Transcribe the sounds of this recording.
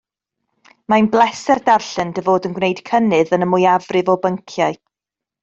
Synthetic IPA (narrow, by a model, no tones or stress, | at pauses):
majnblˠɛsɛrdarɬɨndəvoːdənɡwnejd̥kʰənɨðənəmʊjavrɨvɔbəŋkʰjaɨ